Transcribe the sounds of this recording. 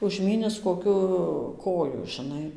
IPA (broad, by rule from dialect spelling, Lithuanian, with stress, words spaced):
ʊʒʲˈmʲiːnʲɪs koːˈkʲʊ ˈkoːjʊ ʒʲɪˈnɐɪ